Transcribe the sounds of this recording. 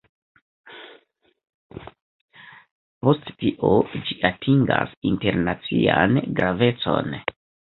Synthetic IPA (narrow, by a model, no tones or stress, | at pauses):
po̞sttiʔod͡ʒiʔatʰiŋɡasinte̞ɾnat͡sianɡɾave̞t͡so̞̰n